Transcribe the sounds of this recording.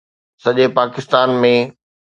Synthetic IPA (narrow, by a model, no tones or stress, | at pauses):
sɐʄepaːkɪst̪aːnmẽ